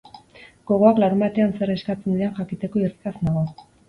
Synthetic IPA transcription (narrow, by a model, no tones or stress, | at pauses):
ɡ̥o̞ɣ̞o̞aklaɾumbat̪e̞anse̞ɾe̞skat͡se̞nd̪ienxakit̪e̞ko̞irikasnaɣo